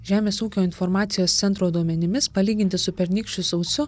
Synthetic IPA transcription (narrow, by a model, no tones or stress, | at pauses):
ʒʲæːmʲeːsuːkʲoːɪnfɔɾmɑːt̪sʲɪjoːst̪ʲɛnt̪ɾoːd̪uɔmʲɛnʲɪmʲɪspɐlʲiːɡʲɪnʲt̪ʲɪsʊpʲɛɾʲnʲɪːkʃʲt͡ʃʲʊsɔʊsʊ